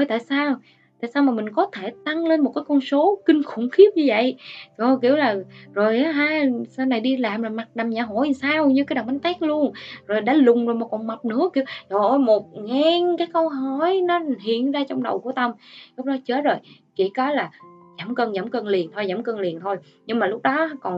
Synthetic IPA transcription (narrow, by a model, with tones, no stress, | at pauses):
o˧˩jt̪a̰ː˧˨jsaː˧w | t̪a̰ː˧˨jsaː˧wmaː˨˩mï˨˩ŋ̟kɔ˨˦t̪ʰe˧˩t̪a˧ŋle˧nmo˨˩t̚kaː˨˦jkɔ˧nso˨˦kï˧ŋ̟xʊ˧˩˦ŋ͡mxi˦˥əp̚ɲɨ˧və̰˧˨jzo˨˩k̬i˧˩əwlaː˨˩zo˨˩jʔaː˨˦ɦaː˧saː˧wna˨˩jɗi˧laː˨˩mzo˨˩jma˨˩t̚na˨˩mɲaː˧˩ɦo̰˧˨jsaː˧wɲɨ˧kaː˨˦ɗa˨˩ŋma˨˦ŋt̪aː˦˥k̚lu˧ənzo˨˩jɗa̰ː˧˩˦lʊ˨˩ŋ͡mzo˨˩jmaː˨˩kɔ˨˩nma˨˩p̚nɨ̰˧˥əki˧˩əwzo˨˩jmo˨˩t̚ŋa˧ŋkaː˨˦jkə˧wɦɔ˧˩jnɔ˨˦hḭ˧˨ənzaː˧t͡ɕɔ˧wŋ͡mɗə̰˨˩wku˧˩ət̪ə˧mlʊ˦˥k͡p̚ɗɔ˨˦t͡ɕəː˨˦˥t̚zo˨˩j | ki˧˩kɔ˨˦laː˨˩zaː˧˩mkə˧nzaː˧˩mkə˧nli˨˩ənt̪ʰo˧jzaː˧˩mkə˧nli˨˩ənt̪ʰo˧j | ɲɨ˧ŋmaː˨˩lʊ˦˥k͡p̚ɗɔ˨˦kɔ˨˩n